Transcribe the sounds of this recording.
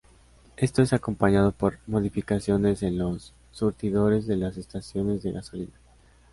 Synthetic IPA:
e̞st̪oe̞sako̞mpaɲaðo̞po̞ɾmo̞ð̞ifikasjo̞ne̞zenlo̞sː | uɾt̪iðo̞ɾe̞zðe̞lase̞st̪asjo̞ne̞zðe̞ɣaso̞lina

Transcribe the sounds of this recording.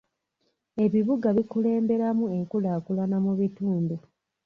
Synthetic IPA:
e̞βiβuɡaβikule̞ːmbe̞ɾamue̞ŋkulaːkulanamuβituːndu

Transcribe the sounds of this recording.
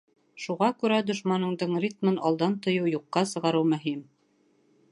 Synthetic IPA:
ʃuʁɑkʉɾæd̪ŏʃmɑnɤ̆ɴd̪ɤɴrʲit̪̚mɤnɑlˠd̪ɑnt̪ŏjɤwjuqːɑsɤ̆ʁɑɾɤwmɵ̆ɦim

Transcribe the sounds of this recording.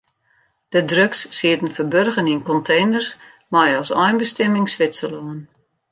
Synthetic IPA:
d̥ədrøksːiətən̩fərbørɣəninkɔntʰejnərs | mɔjɔsɔjnbəstɛmɪŋsʋɪtsəloən

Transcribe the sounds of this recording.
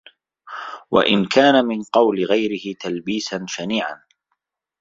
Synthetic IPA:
wa̰ʔɪ̰nkʰaːnamɪnqɑwlɪɣajɾɪhɪt̪albiːsanʃaniːʕa̰n

